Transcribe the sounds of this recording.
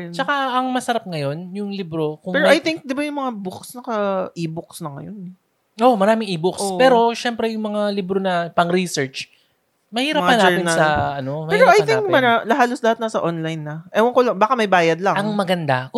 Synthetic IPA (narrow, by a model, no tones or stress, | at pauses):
t͡ʃɐkaɐŋmɐsɐɾap̚ŋɐjo̞njʊŋlibɾo̞kʊŋɛːɾʔɐjt̪ɪŋk̚d̪ɪbajʊŋmɐŋaboksnɐkɐʔiːbʊksnɐŋɐ̰jonɛ | ʔomɐɾaːmɪŋʔiːbokspɛːɾo̞ʃɛmpɾɛjʊŋmɐŋalibɾonɐpɐŋɾisɛɹt͡ʃ | mɐhiːɾɐppːnaːɛmɪnɐsɐɐno̞mɐhɛːiɾoʔɐjt̪ɪŋk̚mɐɾalɐɦaːloslɐhat̪nɐsɐʔonlajnːɐʔɛwɐŋkolɐŋbaːkɐmɐjbaːjɐd̪̚lɐŋɐŋmɐɡɐnd̪a